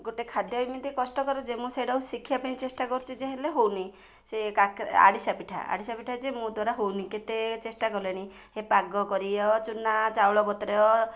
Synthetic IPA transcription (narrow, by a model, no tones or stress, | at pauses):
ɡoʈekʰad̪jɔjmit̪ikɔsʈɔkɔɾɔd͡ʒemũseɽausikʰijapaĩt͡ʃesʈakɔɾt͡ʃʰid͡ʒeɦeleɦowni | sekakɾa̰ɽisapiʈʰa̰a̰ɽisapiʈʰad͡ʒemũd̪waɾaɦowniket̪et͡ʃesʈakɔleɽ̃i | hepaɡɔkɔɾiɔt͡ʃunat͡ʃawɭɔbɔt̪ɾeɔ